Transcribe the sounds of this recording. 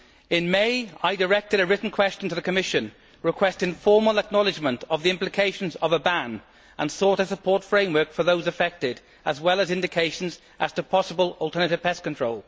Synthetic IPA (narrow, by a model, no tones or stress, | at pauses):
ɪ̃nmeɪaɪdəɹɛk̚tɪɾəɹɪʔn̩kʰw̥ɛst͡ʃə̃n̩tʰəðəkʰəmɪʃə̃n | ɹɪkʰw̥ɛstɪ̃nfɔːmələk̚nɒlɪd͡ʒmə̃ntʰəvðiɪ̃mplɪkʰeɪʃə̃nzəvəbãn | ʔə̃nsɔˑɾəsəpʰɔɹtfɹẽɪ̃mwɜ˞kfəðoʊzəfɛk̚tɪd | əzwɛlˠəzɪ̃ndɪkʰeɪʃə̃n̩z | ʔəz̥tʰəpʰɒsəbəlɔlˠtʰɜːnətɪv̥pʰɛskə̃ntʰɹ̥oʊlˠ